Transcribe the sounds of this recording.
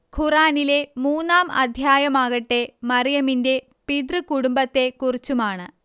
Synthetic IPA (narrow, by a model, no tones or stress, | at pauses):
kʰuraːnile̞muːnːaːmɐ̰d̪ʱjaːjɐmaːɣɐʈːemɐrijɐminde̞ | pid̪rɨkuɽumbɐt̪ːe̞kurit͡ɕːumaːɳɨ